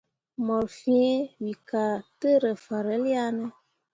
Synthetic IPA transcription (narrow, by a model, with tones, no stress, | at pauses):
mɔ˨ɾfĩ˦wi˨ka˨tə˦ɾə˨fa˨ɾə˨˦li˦a˦nə˦